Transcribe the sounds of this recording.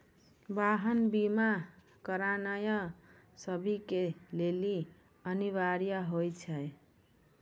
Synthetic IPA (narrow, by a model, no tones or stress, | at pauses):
baɦʌnbima | kəɾanajʌ | sʌbʱikeleli | əniβaɾijaɦojt͡ʃʰʌe